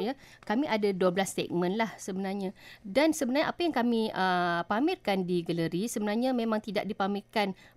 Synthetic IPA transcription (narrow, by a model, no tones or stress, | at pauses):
jakamĩʔadaduəblast̪ɛ̰k̚mə̃nlahsəbənarɲadansəbənaɲaʔapajaŋkamĩəpamirkandiɡələɾisəbənarɲamẽmãŋt̪ida̰ʔ̚dipamirkan